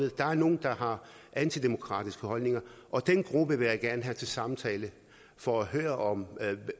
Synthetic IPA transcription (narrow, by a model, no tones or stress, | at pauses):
ð̩ˠd̥ɑ̈æɐno̝ːn̩d̥ɑ̈ɦɑ̈ | ʔænt͡sʰid̥e̝mo̝kʰʁɑ̰̈ːd̥isɡ̥əhɒ̽lne̝ŋɐʔɒ̽d̥enɡ̥ʁub̥əʋe̝jaɡ̥æɐnəɦæt͡sʰe̝lsɑ̈mt͡sʰɛːlə | fɒ̽æɦøːɐʔɒ̽m